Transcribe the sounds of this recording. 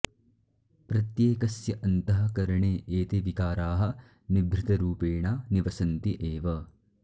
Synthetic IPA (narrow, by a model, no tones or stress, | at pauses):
pɾɐt̪jeːkɐsjɐʔɐnt̪ɐɦɐ̆kɐɾɐɳeːʔeːt̪eʋikaːɾaːɦɐ̆ | nibɾɪt̪ɐɾuːpeːɳaːniʋɐsɐnt̪iʔeːʋɐ